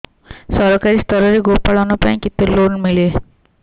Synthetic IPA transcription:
səɾkaɾiːst̪əɾəɾiːɡopaɭanopaĩkit̪ːelonmile

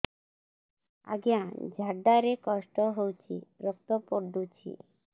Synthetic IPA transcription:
a̰ɡeãd͡ʒʱaɖaɾekɔʃʈɔɦowt͡ʃʰiɾɔk̚t̪ɔpoɾd̪ut͡ʃʰḭ

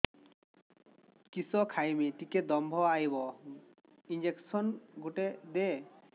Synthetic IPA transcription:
kisɔkʰajmiʈiked̪ɔmbʱɔajbɔ | ind͡ʑeksɔnɡuʈed̪e

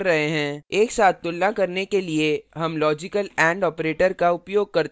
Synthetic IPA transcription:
ɾːɐɦeɦɛ̃ːeːksaːt̪ːʊlːãkɐɾnekelieɦɐmlɔːd͡ʒɪkəlɛ̃ːɳɖɔːpɾeːʈəɾkaʊpjoːɡ̚kɐɾ

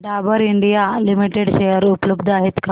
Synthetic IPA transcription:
ɖabəɾiɳɖijalimiʈeɽɕejəɾupləbd̪əaɦet̪kʰa

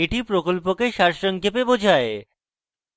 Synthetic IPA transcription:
eʈipɾokolpokeʃaɾʃoŋkʰepebod͡ʑʱae

